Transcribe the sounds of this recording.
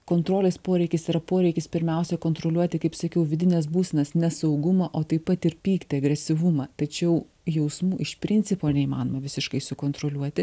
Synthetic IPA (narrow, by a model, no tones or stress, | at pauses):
koːnt̪ɾoːlʲeːspoːɾʲɛɪkʲɪsiɾɐpoːɾʲɛɪkʲɪspʲɪɾʲmʲɛˑʊsʲɛkoːnt̪ɾoːlʲuɔt̪ʲɪkɐɪpsɐkʲɛʊʋʲɪd̪ʲɪnʲɛːsbuːsʲɛnɐsnʲɛsɐʊɡʊmɐʔoːt̪ɐɪpɐt̪ɪɾpʲiːkt̪ʲɪɐɡɾʲɛsʲɪʋʊmɐːt̪ɐt͡ʃʲɛʊ | jɛʊsmuːʔɪʃpʲɾʲɪnʲt̪sʲɪpoːnʲɛimɑ̰ːnoːmɐʋʲɪsʲɪʃkɐɪsʊkoːnt̪ɾoːlʲuɔt̪ʲɪ